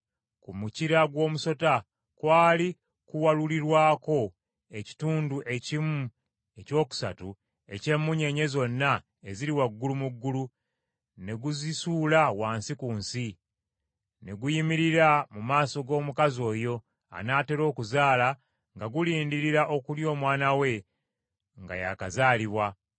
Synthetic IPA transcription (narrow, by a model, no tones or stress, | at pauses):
kumuciɾaɡwo̞ːmuso̞ta | kwaːli | kuwaluliɾwaːko̞ | e̞ci̥tuːnduʔe̞cimu | eco̞ːku̥sa̰tu | e̞̰ce̞mːuɲe̞ɲe̞zo̞nːa | eziɾiwaɡːulumuɡːulu | ne̞ɡuzisuːlawaːnsikuːnsi | ne̞ɡujimiɾiɾamumaːso̞ɡo̞ːmukazo̞ːjo̞ | a̰naːte̞ɾo̞ːkuzaːla | ŋɡaɡuliːndiɾiɾaʔo̞kuljo̞ːmwaːnawe̞ | ŋɡa̰ja̰kazaːliβwa